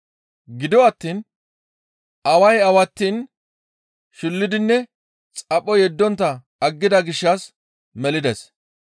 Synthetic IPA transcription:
ɡɪd̪ɔɐt̪ːiːn | ɐwɐjɐwɐt̪ːiːn | ʃʊlːɪd̪ɪnːɛ | t͡sʼɐpʼːɔjɛd̪ːɔnt̪ːɐ | ɐɡːɪd̪ɐɡɪʃːɐs | mɛlɪd̪ɛs

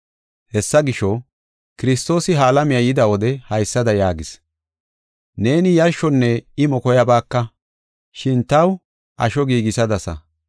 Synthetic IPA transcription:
hɛsːɐɡɪʃɔ | kɪɾɪst̪o̞ːsɪɦaːlɐmɪjɐjɪd̪ɐwɔd̪ɛhɐjsːɐd̪ɐjaːɡɪs | ne̞ːnɪjɐʃːɔnːɛɪmɔkɔjɐbaːkːɐ | ʃɪnt̪ɐw | ʔɐ̰ʃɔɡiːɡɪsɐd̪ɐsɐ̰

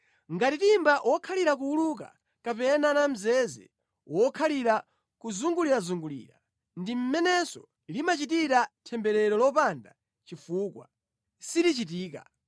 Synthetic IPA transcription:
ŋɡatitimbaʔwʔɔkʰaliɾak̬uuluk̬a̰ | kapɛnanam̩zɛzɛ̰ | wɔkʰaliɾa | kuzuŋɡuliɾazuŋɡulḭːɾa̰ | ndim̩mɛnɛsɔ | limat͡ʃitiɾatʰɛmbɛɾɛɾɔlɔpanda | t͡ʃifuːkwa̰ | silit͡ʃit̬iːka̰

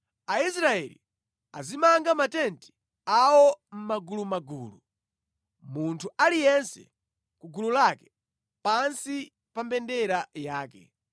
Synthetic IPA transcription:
ais̬ɾaɛlḭ | a̰zimaŋɡamatɛnti̥ | awɔm̩maɡulumaɡṵːlu | muntʰualijɛnsɛ̰ | kuɡululakɛ̥ | pansi | pambɛndɛɾajaːkɛ̰

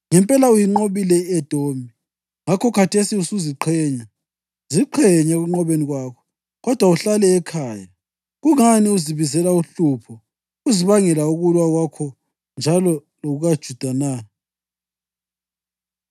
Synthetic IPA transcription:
ŋɛmpʼɛlaujiŋ͡ǃoβilɛɛd̥ʱombʱi | ŋakʰɔkʰatʰesiusuziǃʰɛɲa | ziǃʰɛɲaɣuŋ͡ǃɔβeniɣwakʰɔ̥ | ɣɔd̥ʱwauɬalɛːkʰaːja | ɣuŋaniuziβizɛlauɬupʰɔ | uziβaŋɛlauɣulwaɣwakʰɔ | nd͡ʒʱalɔ | loɣuɣad̥ʒ̥ʱud̥ʱana

